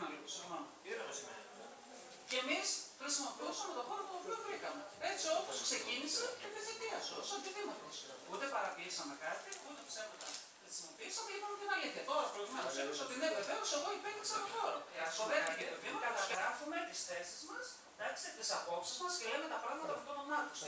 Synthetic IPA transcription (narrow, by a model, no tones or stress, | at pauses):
nɐlisomon | ce̞misxxɾisimo̞piusɐme̞t̪o̞xo̞ɾop̪uopiovɾikɐme̞e̞t͡sio̞po̞skse̞cinisemizit̪iɐsosɐt̪iðimot̪is | ut̪e̞pɐɾɐt̪iisɐme̞kɐt̪iut̪e̞psepot̪ɐ̰ | xɾisimo̞piisɐmelipɐmet̪inɐliθçɐt̪o̞ɾɐpɾoimɐɐseiso̞t̪ine̞veve̞o̞seɣo̞ipeðiksɐloxo̞ɾoeɐsoðeɐt̪eket̪ovimɐkɐt̪ɐɾɐfume̞t̪isθe̞sizmɐs | d̪ɐkst̪it̪isɐpo̞psizmɐsce̞leme̞t̪ɐpɾɐɣmɐt̪ɐpfot̪ononɐos